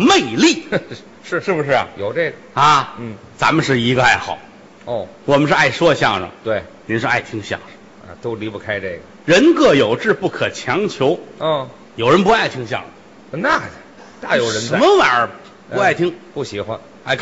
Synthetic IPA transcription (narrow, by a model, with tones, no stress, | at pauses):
me˥˧ɪli˥˩ | ʂ̩˥˧ʂɻ̩˥˩bu˩ʂɻ̩˥˩ɐ̰˨˩jo˨˩ʊʈ͡ʂe˥˩ɡə˩ɐ˧˩˥t͡sa̰˧˥mə˨nʂɻ̩˥˩i˧˥ɡə˧a˥˩ɪxɑ˨˩˦ʊ | ɔ˥˩wɔ˨˩mə˦nʂɻ̩˥˧a˥˩ɪʂwɔ˥ɕjɑ˥˩ŋʂə̰˨˩ŋt̪we˥˩ɪ | ni˧˥nʂɻ̩˥˧a̰˥˩ɪt̪ʰi˥ŋɕjɑ̰˥˩ŋʂə̥̰˨˩˧ | t̪o˥ʊli˧˥pu˧˥˩kʰa˥ɪʈ͡ʂe˥˩ɡə˩ɻə˧˥nkɤ˥˩jo˨˩ʊʈ͡ʂɻ̩˥˧pu˥˩kʰɤ˨˩t͡ɕʰjɑ˧˥ŋt͡ɕʰjo˧˥ʊ˥˩ | jo˨˩ʊɻə˧˥npa˥˩ɪt̪ʰi˥ŋɕ̬jɑ̰˥˩ŋʂə˩ŋ | na˥˩ | t̪a˥˩jo˧˥ʊɻə˧ʂə˧˥˧mə˧wa˨˩nə˞˧˥˧ | a˥˩ɪt̪ʰi˥ŋpu˥˩ɕi˧˥xwa˥n | a˥˧ɪkʰ